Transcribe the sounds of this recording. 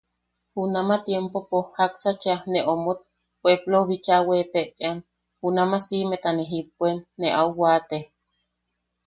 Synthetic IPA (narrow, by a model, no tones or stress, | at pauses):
hunamat̪jempopohaksat͡ʃaneʔomot̪̚ | pʷeploβit͡ʃawepeʔt̪ean | hunamasimet̪aneɦip̚ʷenːeʔauwaːt̪e